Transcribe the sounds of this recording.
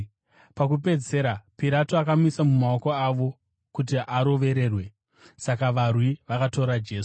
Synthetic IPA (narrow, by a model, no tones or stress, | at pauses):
pak̬upe̞d͡ze̞ɾapiɾatoakamisamumaoko̞aʋo̞ | kut̬iʔaɾo̞ʋe̞ɾe̞ːrwe̞ | sakaʋarwiʋakato̞ɾad͡ʒe̞ːsu̥